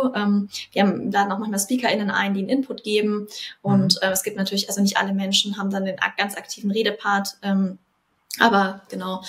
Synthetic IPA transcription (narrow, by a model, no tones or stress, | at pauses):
ʔɛːmviːɐham̩laːdn̩aʊxmanmaːlspiːkɐʔɪnənʔa̰ɪndiːnʔɪnpʰʊtɡ̥eːbm̩ʔʊntʔɛːmɛsɡ̥iːptnatʰyːɐlɪçʔalzonɪçtʔa̰ləmɛnʃn̩ɦaːbm̩dandeːna̰ɡ̥ant͡sʔaktʰiːvn̩ʁeːɾəpʰaɐtʔɛːm | ʔaːbɐɡ̥ənaʊ